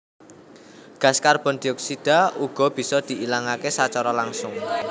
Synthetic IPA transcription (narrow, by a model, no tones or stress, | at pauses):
ɡ̥a̤skarb̥ɔ̤nd̪̥iɔksid̪̥a̤uɡ̥ɔ̤b̥i̤sɔd̪̥i̤ilaŋakesat͡ʃɔɾɔlaŋsʊŋ